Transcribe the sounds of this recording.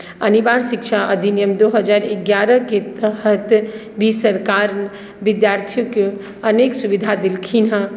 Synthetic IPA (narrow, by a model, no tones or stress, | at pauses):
ənibaɾsikt͡ʃʰaʔə̰d̪ʱinijəmd̪oɦəd͡ʒaɾeɡjaɾəket̪əɦət̪ | bʱisəɾkaɾ | ʋɪd̪jaɾt̪ʰijoke | əneksubid̪ʱad̪ilkʰinɦə